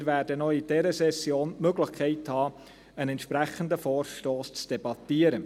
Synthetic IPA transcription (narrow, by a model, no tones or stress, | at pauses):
ɾvæːɾdənoid̥ɛɾəsɛsːjoːnmøɡləχkʰɛɪthɑː | ənɛnt̪ʃpɾæχəndəfɔːrʃtoːst͡sd̥ɛbɑtːiəɾə